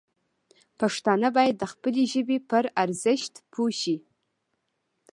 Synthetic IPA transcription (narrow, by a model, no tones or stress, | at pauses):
pʰaʂt̪anəbɑːjad̪̚ːəχpəleʒəbipəɾaɾzɨʃt̪pʰuʃi